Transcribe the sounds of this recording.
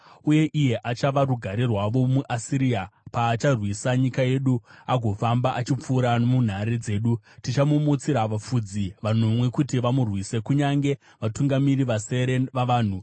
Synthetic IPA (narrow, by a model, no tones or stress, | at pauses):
uje̞ʔije̞ʔat͡ʃaʋaɾuɡʱaɾirwaʋo̞muʔasiɾiapaːt͡ʃarwisaɲikaje̞ɗuaɡʱo̞fambaʔat͡ʃip͡fuːɾanomun̤aɾed͡ze̞ːɗutit͡ʃamumut͡siɾaʋafud͡ziʋanomwe̞kutiʋamurwise̞kuɲaŋɡe̞ | ʋatuŋɡamiriʋase̞ɾenʋaʋaːn̤u